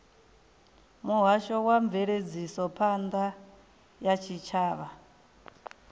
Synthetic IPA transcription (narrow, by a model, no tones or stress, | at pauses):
muɦaʃɔwaɱveɺed͡zisɔpʰand̪a | jat͡ʃʰit͡ʃʰaːβa